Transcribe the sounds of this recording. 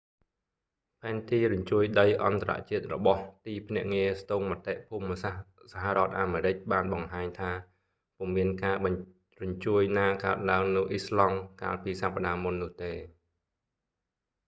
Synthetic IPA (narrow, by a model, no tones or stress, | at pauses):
pʰaɛnt̪iːɾʊɲt͡ɕuəjɗəjʔɑ̰nt̪aɾa̰ʔt͡ɕiət̪̚rɔ̰ɓɑht̪iːpʰnɛ̆əʔŋiəst̪oːŋmat̪eʔpʰuːməsah | saɦaʔrŏət̪̚ʔaːmeːɾɨc̚ɓaːnɓɑŋɦaːɲt̪ʰaː | pŭəmːiənkaː | rʊɲt͡ɕuəjnaːkaət̪̚laəŋnɨwʔislɑŋka̰ːlpiːsapːaɗaːmunːʊ̆əht̪eː